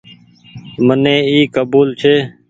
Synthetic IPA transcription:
mənẽːiːkəbuːlt͡ʃʰeː

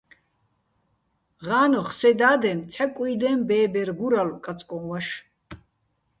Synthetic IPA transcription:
ʁaːnɔχsɛd̪aːd̪ɛnt͡sʰɛkʼijd̪ɛmbɛːbɛɾɡuɾalkʼat͡sʼkʼɔnwaʃ

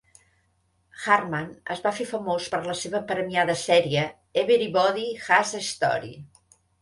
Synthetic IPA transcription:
xarmanə̰zβafefəmospəɾləseβəpɾəmiaðəsɛɾiə | eβeɾiβɔðixazəist̪ɔ̰ɾḭ

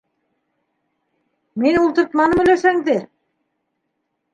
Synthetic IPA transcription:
minulˠt̪ɤ̆ɾt̪mɑnɤmɵ̆læʃæŋd̪ɘ

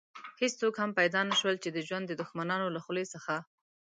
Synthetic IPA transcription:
hest͡sokhampajd̪ɑnaʃwəlt͡ʃed̪əʒwand̪ːəd̪ʊxmanɑnolaxlesəxa

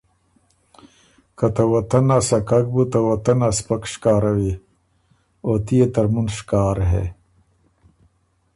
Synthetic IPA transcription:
kɐt̪ɐwɐt̪ɐnasɐkak̚but̪ɐwɐt̪ɐnaspɐkʂkaːɾɐwi | oːt̪ijet̪ɐɾmunʂkaːɾɦḛ

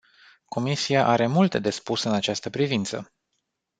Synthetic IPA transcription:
ko̞misiaʔaɾe̞mult̪e̞d̪e̞spusɨnat͡ʃast̪əpɾivint̪sə̰

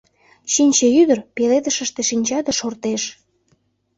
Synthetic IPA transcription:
ɕinʲt͡ɕeyd̪ərpeled̪əʃəʃt̪eʃinʲt͡ɕɑd̪əʃort̪eʃ

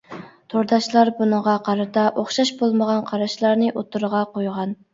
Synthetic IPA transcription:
t̪ʰoɾd̪ɑʃlˠɑɾbunəʁɑqʰɑɾɨt̪ʰɑʔoχʃɑʃbolˠməʁɑnqʰɑɾɑʃlˠɑɾnɨʔot̪uɾʁɑqojʁɑn

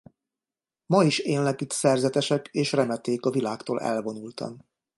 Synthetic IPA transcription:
mɒiʃeːnlɛkit̪sɛrzɛt̪ɛʃɛkeːʃrɛmɛt̪eːkɒvilaːkt̪o̰ːlʔɛ̰lvo̞nult̪ɒ̰m

